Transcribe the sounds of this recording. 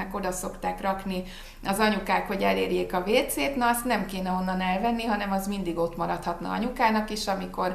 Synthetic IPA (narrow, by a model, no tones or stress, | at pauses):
ɛko̞d̪ɒso̞kt̪aːkrɒkni | ɒzɒɲukaːkho̞ɟɛleːrjeːkɒveːt̪seːt̪nɒːst̪nɛmkeːnɛo̞nːɒnɛlvɛnːiɦɒnɛmɒzmind̪iɡo̞t̪mɒɾɒt̪hɒt̪nɒ̰ɒ̰ɲukaːnɒkiʃɒmiko̞r